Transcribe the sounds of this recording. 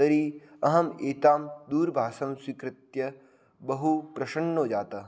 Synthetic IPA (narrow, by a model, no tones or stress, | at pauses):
ɐɾiɐɦɐmeːt̪aːmd̪uːɾbʱaːsɐmswikɾɪt̪jɐ | bɐɦupɾɐʃɐɳːoːd͡ʒaːt̪ɐ